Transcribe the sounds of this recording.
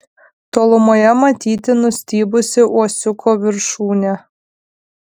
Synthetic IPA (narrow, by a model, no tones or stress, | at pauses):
t̪oːlˠʊmoːjɛmɐt̪ʲiːt̪ʲɪnʊsʲt̪ʲiːbʊsʲɪʔuɔsʲʊkoːʋʲɪɾʃuːnʲæ